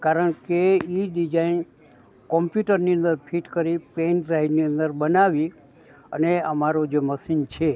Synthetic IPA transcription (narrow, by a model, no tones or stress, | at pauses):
kaɾəɳkeiɖid͡ʒain | kɔmpjuʈəɾniə̃nd̪əɾpʰiʈkəɾipenɾajniə̃nd̪əɾbənaʋi | ə̰neəmaɾod͡ʒeməsint͡ʃʰe